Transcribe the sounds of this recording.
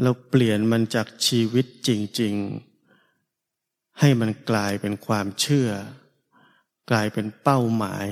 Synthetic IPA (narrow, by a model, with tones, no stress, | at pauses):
ɾa˧wpli˨˩ənma˧nt͡ɕaː˨˩k̚t͡ɕʰiː˧wi˦˥t̪̚t͡ɕi˧ŋt͡ɕi˧ŋ | ha˥˩jma˧nklaː˧jpe˧nkʰwaː˧mt͡ɕʰɯ˥˩ɐ | klaː˧jpe˧npa˥˩wma̰ː˩˦j